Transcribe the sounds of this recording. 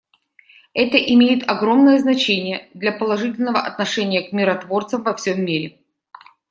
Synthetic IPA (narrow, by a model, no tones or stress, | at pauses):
ɛt̪əʔɪmʲejɪt̪ɐɡɾo̞mnəjəznɐt͡ɕenʲɪjəd̪lʲɐpəlˠɐʐɨtʲɪlʲnəvəʔɐt̪nɐʂɛnʲɪjəkmʲɪɾɐt̪vo̞rt̪səmvɐfsʲomːʲiɾʲɪ